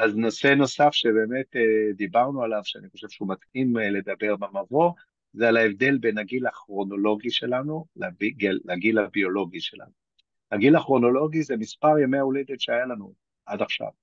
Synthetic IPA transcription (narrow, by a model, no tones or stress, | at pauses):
aznose̞no̞safʃe̞be̞ːme̞ted̪ibaʁnualavʃeaniχo̞ʃe̞v̥ʃeumatimle̞d̪abe̞ʁmamavo̞ | zealaevd̪e̞lbenaɡilaχʁo̞no̞lo̞ɡiʃe̞lanulabiɡelaɡilabio̞lo̞ɡiʃe̞la̰nu | haɡilaχʁo̞no̞lo̞ɡizemispaʁjameauled̪etʃeajalanu | ʔadaχʃa̰v